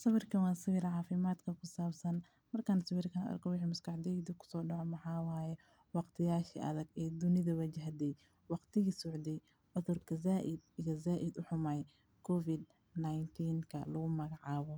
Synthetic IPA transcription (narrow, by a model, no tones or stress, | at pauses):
sɐβɪrkʰɐwɑːsɪwɪɾʕɑːfɪmaːd̪kʰɐkʰʊsaːbsɐn | mɐrkʰansɐwɪrkʰɐnʔɐ̰rkʰɔwɪħiːmʊskɑħd̪ɛjd̪ukʰʊ̥sɔːɖɑʕɔmɑħɑːwaːjɛ | wɑqt̪ʰɪjaːʃiʔɐ̰ðɐɡɛːd̪ʊnɪðɐwɐt͡ʃɪɦd̪ɛj | wɑqt̪ʰɪɣisʊʕd̪ɛj | ʊðʊrkʰɐzaːʔɪd̪̚ijɔzaːʔɪd̪ʊħʊmɐj | kʰɔfɪd̪ | najnt̪ʰiːŋkʰɐlʊɣʊmɐɣɑʕɑːβɔ